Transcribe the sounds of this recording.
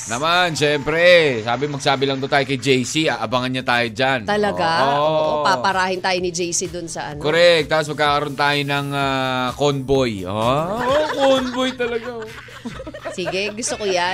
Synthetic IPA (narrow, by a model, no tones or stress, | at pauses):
nɐmanʃɛmpɾɛsaːbɪmɐɡ̚saːbɪlɐŋt̪ot̪aːjokɐjd͡ʒɛjsiʔaʔɐbɐŋɐnɲɐt̪aːjod͡ʒant̪ɐlɐɡaooʔoʔopapɐɾahɪnt̪aːjonɪd͡ʒɛjsid̪ʊnsɐʔankoɾɛk̚t̪ːapos̬mɐɡ̚kaːkɐɾont̪aːjonɐŋakonbojookonbojt̪ɐlɐɡa | siːɡɛɡʊst̪okoja